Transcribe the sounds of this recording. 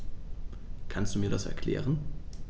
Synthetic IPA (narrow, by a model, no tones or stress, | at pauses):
kʰanstd̥uːmiːɐdasɛ̰ɐkʰl̥ɛ̰ːʁən